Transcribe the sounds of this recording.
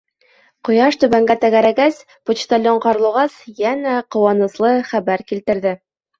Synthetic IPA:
qŏjɑʃt̪ɵ̆βæŋɡæt̪æɡæɾæɡæs | pŏt͡ɕt̪ɑlʲoɴqɑɾɤ̆lˠɤ̆ʁɑsjænæqŏwɑnɤ̆slˠɤχæbæɾkilt̪ɘ̆ɾðɘ

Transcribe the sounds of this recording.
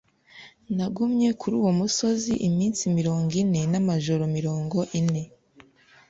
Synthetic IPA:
naɡumɲe̞kʰuɾuːwomuso̞ziʔimiːnsimiɾo̞ːŋɡine̞namaʒo̞ɾo̞miɾo̞ːŋɡo̞ʔine̞

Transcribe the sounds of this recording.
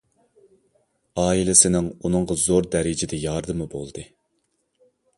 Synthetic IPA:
ɑːilɪsɪnɪŋunɨŋʁɑzoɾd̪ɛɾɪd͡ʒɪd̪ɛjɑːɾd̪ɨmɨbo̰lˠd̪ɨ

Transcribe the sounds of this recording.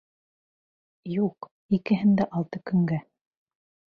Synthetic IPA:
juq | ikɘ̆ɦɘnd̪æʔɑlˠt̪ɤkɵ̆ŋɡæ

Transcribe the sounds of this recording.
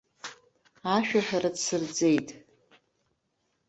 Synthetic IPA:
aʃᶣaħᶣaɾadsɨrd͡zʼe̞jtʼ

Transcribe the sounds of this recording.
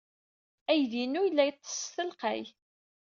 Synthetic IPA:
æjðinujlːæjt̪ˤːə̥sθəlqæ̰j

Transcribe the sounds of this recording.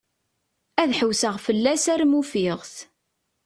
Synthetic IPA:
æðħəwsəʁfəlːæsæɾmufiʁθ

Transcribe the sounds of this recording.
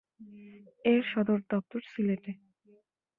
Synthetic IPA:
eɾʃɔd̪oɾd̪ɔp̚t̪oɾsileʈe

